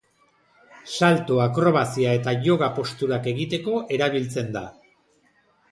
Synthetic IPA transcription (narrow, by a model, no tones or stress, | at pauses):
salt̪oakɾo̞β̞asiae̞t̪aʝo̞ɣ̞apo̞st̪uɾake̞ɣit̪e̞ko̞ʔe̞ɾaβ̞ilt͡se̞nd̪a